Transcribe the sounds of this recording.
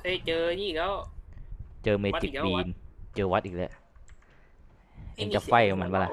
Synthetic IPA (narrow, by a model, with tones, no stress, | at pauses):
a˧˥˩t͡ɕɤː˧niː˥˩ka˦˥˩w | t͡ɕɤː˧me˧˦t͡ɕi˨kbiː˧nt͡ɕɤː˧wa˦˥t̪̚ʔiː˨˩k̚lɯ̰˧˩ | a˧˥t͡ɕa˨˩fa˧˩jka˧˩ma˩˦baː˧˩la˧˥˩